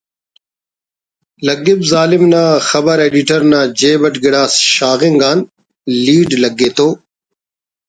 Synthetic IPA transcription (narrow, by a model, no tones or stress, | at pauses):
lɐɡɪbzaːlɪmnãːxɐbəɾeːɖiʈəɾnãːd͡ʑeːbɐʈɡɪɽaːsʃaːɣɪŋɡaːn | liːɖlɐɡːeːt̪oː